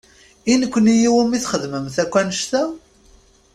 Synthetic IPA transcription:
inəkʷːənijiwəmiθχəðməmθækʷːænəʃt̪æ

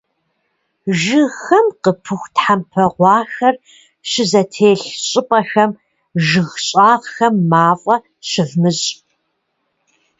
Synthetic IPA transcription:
ʒɨxɐmqəpʰɨxʷtħampʰɐʁʷɑːxɐr | ɕɪzɐtʰeːɬɕʼɪpʼɐxɐm | ʒɨɣɕʼaːʁxɐmːaːfʼɐ | ɕɪvmɨɕʼ

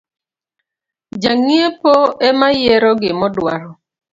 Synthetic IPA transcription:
d͡ʒaŋiepoemajeɾɔɡɪmɔdwa̰ɾɔ

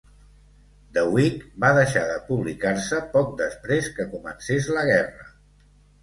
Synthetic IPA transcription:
d̪əwikbaðəʃaðəpuβlikaɾsəpɔk̚d̪əspɾeskəkumənsezləɣɛrə̰

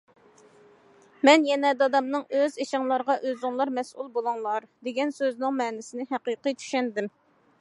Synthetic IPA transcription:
mɛnjɛnɛd̪ɑd̪ɑmnɨŋøzeʃɪŋlˠɑɾʁɑʔøzɪŋlˠɑɾmɛsulˠbolˠuŋlˠɑɾd̪eɡʲɛnsøznɨŋmɛːnɪsɪnɪɦæqɨqijt͡ʃ̪ʰy̥ʃɛnd̪ɪm

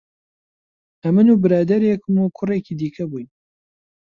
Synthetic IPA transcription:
ɐmɨnuːbɨɾaːd̪ɐɾeːkɨmuːkʰʊreːkiːd̪iːkʰɐbujn

